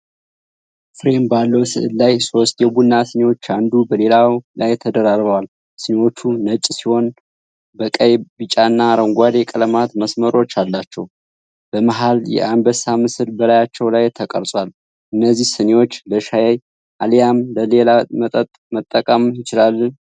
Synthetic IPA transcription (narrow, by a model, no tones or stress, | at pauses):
fɨɾe̞mbalːəwsɨ̰ʔɨllajso̞st̪jɛbunːasɨnewo̞t͡ʃːand̪ubəle̞lawlajt̪ʰəd̪əɾaɾbəwal | sɨnewo̞t͡ʃːunət͡ʃʼːsiho̞n | bəkʼəjbɨt͡ʃʼaɨnːaɾəŋɡʷad̪ekʼələmat̪məsməɾo̞t͡ʃːalːat͡ʃːɛw | b̥əmaɦaljɛ̰anbəsamɨsɨɾbəlajat͡ʃːɛwlajt̪ʰəkʼə̰ɾt͡sʼwal | ʔɨnːəzːihsɨnewo̞t͡ʃːləʃajaj | ʔalijamləlelamət̪ʼət̪ʼmət̪ʼːəkʼəmjɪt͡ʃɪlalːən